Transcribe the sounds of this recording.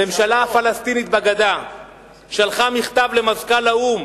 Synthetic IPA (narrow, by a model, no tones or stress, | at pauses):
e̞mʃalaafalast̪init̪̚baɡad̪a | ʃalχamiχt̪avle̞mazkalaum